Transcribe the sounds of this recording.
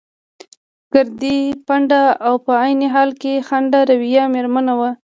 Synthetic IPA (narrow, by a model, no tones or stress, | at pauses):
ɡ̥əɾd̪ipaɳɖaawpəajnɪɦɑlkexaɳɖaɾawijɑmeɾmanawa